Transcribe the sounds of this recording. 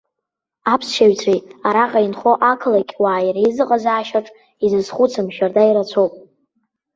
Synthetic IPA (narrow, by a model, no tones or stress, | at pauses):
apʰsʃaɥt͡sʷʰejaɾaqʼainχo̞ʔakʰɨlakʲʼwaːjɾaizɨqʼazaːʃaʈ͡ʂʼ | izɨsχʷut͡sʰɨmʃᶣardaiɾat͡sʷʰowpʼ